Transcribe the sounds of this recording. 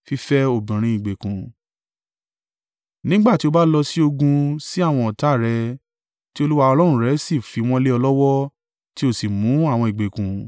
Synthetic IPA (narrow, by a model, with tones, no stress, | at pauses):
fi˦fɛ˦o˦˨bĩ˨ɾ̃ĩ˧i˨ɡ͡be˨kũ˨ | nĩ˦ɡ͡ba˦˨ti˦o˧ba˦lɔ˧si˦o˧ɡũ˧si˦a˦˨w̃ɔ̃˧ɔ˨ta˨˦˨ɾɛ˧ | ti˦o˧lu˦wa˧ɔ˧lɔ̃˦ũ˦ɾɛ˨˦si˦˨fi˨˧w̃ɔ̃˦le˦ɔ˧lɔ˦wɔ˦ | ti˦o˦˨si˨mũ˨˦a˦˨w̃ɔ̃˧i˨ɡ͡be˨kũ˨